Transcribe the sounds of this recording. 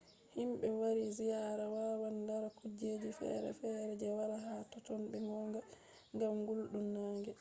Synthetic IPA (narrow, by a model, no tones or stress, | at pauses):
himɓɛwaɾizijaːɾawawandaɾakud͡ʒeːd͡ʒifɛ̰ɾɛ̰fɛɾɛd͡ʒɛwaɾaɦatɔtɔnɓɛŋɔŋɡa | ŋɡamɡulɗumnaːŋɡɛ